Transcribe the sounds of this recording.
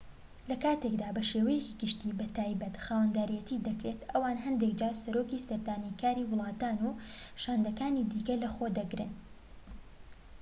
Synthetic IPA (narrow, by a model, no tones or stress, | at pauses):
lɐkaːt̪e̞kd̪aːbɐʃeːwɐjeciɡɨʃt̪iːbɐt̪aːjbɐt̪xaːwɐnd̪aːɾijɛt̪iːd̪ɐkɾe̞t̪ʔɐwaːnɦɐnd̪ekd͡ʒaːsɐɾoːkisɐɾd̪aːnikaːɾiːwʊlˠɑːt̪aːnuʃaːnd̪ɐkaːnid̪iːkɐlɐxod̪ɐɡɾɨ̰n